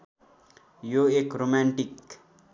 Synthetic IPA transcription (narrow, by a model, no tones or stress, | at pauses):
joekɾomaɳʈik